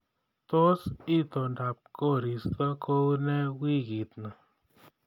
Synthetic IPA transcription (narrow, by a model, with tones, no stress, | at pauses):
t̪o˦si˦t̪o˨nda˨p̚ko˦˨ɾi˨st̪ə˦kʰo˦wnɛ˦wi˦˨ɣi˨t̪na˨